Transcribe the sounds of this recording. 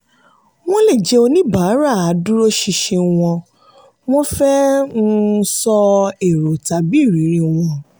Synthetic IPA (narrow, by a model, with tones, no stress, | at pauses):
w̃ɔ̃˦le˦˨d͡ʒɛ˧o˧nĩ˦ba˨˦ɾa˦˨a˨˦du˦ɾo˦ʃi˧ʃĩ˧w̃ɔ̃˧ | w̃ɔ̃˦fɛ˦nũ˧˦sɔ˧e˨ɾo˨ta˨bi˦˨ɾi˨˦ɾĩ˧w̃ɔ̃˧